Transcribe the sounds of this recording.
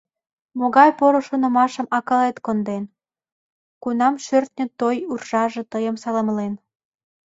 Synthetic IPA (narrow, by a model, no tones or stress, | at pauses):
moɣɑjpoɾoʃonə̆mɑʃə̆mɑkɑlet̪kond̪en | kunɑmʃørt̪̚nʲə̆t̪ojurʒɑʒĕt̪əjəmsɑlə̆mlen